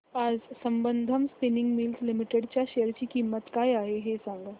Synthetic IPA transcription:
aːd͡ʒsɐ̃mbənd̪ʱəmspɪnɪ̃ŋɡmiːlzlɪmɪʈeɖt͡ʃaʃeəɾt͡ʃikimət̪kaːjaːɦeɦesə̃ŋɡ

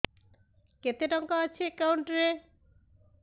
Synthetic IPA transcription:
ket̪eʈɔŋkaat͡ɕʰekawɳʈɾe

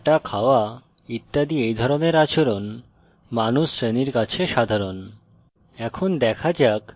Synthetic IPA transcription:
ʈakʰaoa | it̪ːad̪iejd̪ʱɔɾoneɾat͡ɕoɾon | manuʃɾeniɾkat͡ɕʰeʃad̪ʱaɾon | ɛkʰond̪ɛkʰad͡ʑak

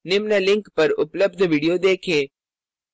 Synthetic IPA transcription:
nɪmnalɪ̃ŋkpɐɾʊpləb̚d̪ʱʋiːɖijod̪eːkʰẽː

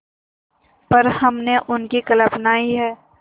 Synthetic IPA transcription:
pɐɾhɐmneʔʊnkikɐləbnaːiɦɛː

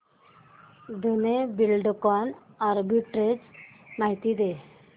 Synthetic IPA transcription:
d̪ʱunebilɖkɔn | aɾbiʈɾed͡z | maɦit̪id̪e

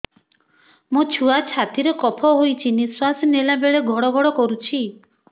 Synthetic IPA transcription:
mũt͡ʃʰuat͡ʃʰat̪iɾekɔpʰɔɦojt͡ʃʰiniswasnelabeɭeɡʱɔɽɔɡʱɔɽɔkɔɾut͡ʃʰi

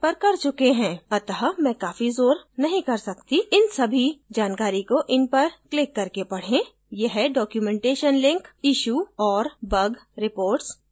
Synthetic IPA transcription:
pɐɾkɐɾt͡ʃʊkeɦɛ̃ːɐt̪əɦmɛ̃kaːfizoːɾnɐɦĩkɐɾsɐkt̪iɪnsɐbʱid͡ʒaːnkaːɾikoʔɪnpɐɾklɪkːɐɾkepɐɽ̤ẽ | jɛɦɛɖɔːkjumɛ̃ːɳʈeːʃənlɪ̃ŋkɪʃuːɔːɾbɐɡɾɪpoːɾʈs

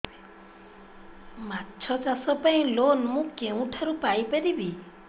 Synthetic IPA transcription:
matːt͡ʃʰɔt͡ʃasɔpaĩlonmũkeũʈʰaɾupajpeɾibi

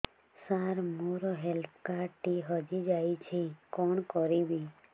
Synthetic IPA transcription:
saɾmoɾɔɦɛlp̚ʰkaʈiɦəd͡ʒid͡ʒajt͡ʃʰekɔɳkɔɾibi

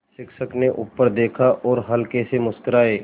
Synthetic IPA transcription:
ʃɪkʃəkneʔʊpːəɾd̪eːkʰaʔɔːɾɦɐlkesemʊskɾaːeː

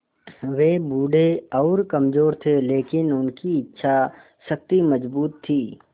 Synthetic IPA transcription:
ʋeːbuːɖeɔːɾkɐmd͡ʒoːɾt̪ʰeleːkɪnʊnkiɪtːʃʰa | ʃɐk̚t̪imɐd͡ʒbuːt̪ʰːiː

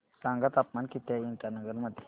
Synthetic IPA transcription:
sãŋɡət̪apmankit̪jaiɳʈanəɡəɾməd̪ʱje̥

